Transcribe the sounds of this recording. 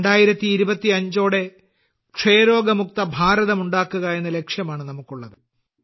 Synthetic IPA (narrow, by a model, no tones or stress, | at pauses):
eɳɖaːjiɾɐt̪ːiːɾubɐt̪ːiɐɲd͡ʑo̞ːɽe̞ | kʂejɐɾo̞ːɡɐmuk̚t̪ɐbʱaːɾɐðɐmuɳɖaːkːuɣɐe̞nːɐle̞kʂjɐmaːɳɨnɐmukːuɭːɐðɨ